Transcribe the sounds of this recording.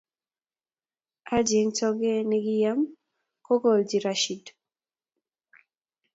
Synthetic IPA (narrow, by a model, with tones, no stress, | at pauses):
a˦d͡ʒe˨ŋt͡ʃɔ˦ɡɛ˦nɪ˦ɡɪ˦ja˦m | ko˦ɡo˨ld͡ʒi˨ɾa˦ʃi˨d